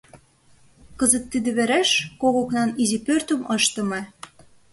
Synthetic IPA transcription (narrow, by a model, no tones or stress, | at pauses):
kəzə̆t̪ːid̪ĕβeɾæʃkoɣoknɑnizipørt̪ə̆mɤʃt̪ɤ̆mĕ